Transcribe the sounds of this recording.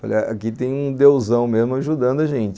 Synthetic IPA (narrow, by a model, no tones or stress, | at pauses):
faʎɐakit̪ẽj̃ũd̪ewzɐ̃w̃mezmʊaʒud̪ɐ̃nd̪ʊɐʒẽnt͡ʃɪ